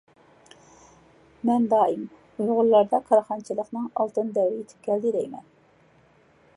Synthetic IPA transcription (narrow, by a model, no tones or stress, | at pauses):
mɛnd̪ɑːim | ujʁʊlˠːɑɾd̪ɑkʰɑɾɑχɑnt͡ʃʰɨlˠəqnɨŋɑlˠt̪ɨnd̪ɛwɾiit̪ʰɪ̥p̚ɡʲɛld̪ɪɾɛjmɛ̰n